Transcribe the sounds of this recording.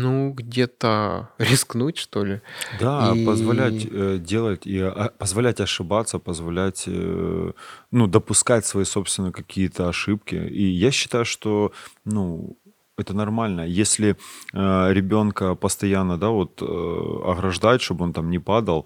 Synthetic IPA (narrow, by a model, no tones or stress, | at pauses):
nuɡdʲet̪əɾʲɪsknutʲʂt̪olʲɪd̪apəzvɐlʲætʲədʲe̞lˠətʲiɐpəzvɐlʲætʲɐʂɨbat̪sːəpəzvɐlʲætʲ | nud̪əpʊskatʲsvɐjiso̞pst̪vʲɪnəjkɐkʲʰijət̪əɐʂɨp̚kʲɪ̰ijaɕːɪ̥t̪ajʊʂt̪o̞nu | ɛt̪ənɐrmalʲnəjesʲlʲɪəɾʲɪbʲo̞nkəpəst̪ɐjanːəd̪avo̞t̪ɐ̰ɣɾɐʐd̪ajɪt̪ʂt̪o̞bɨo̞nt̪amnʲɪpad̪əlˠ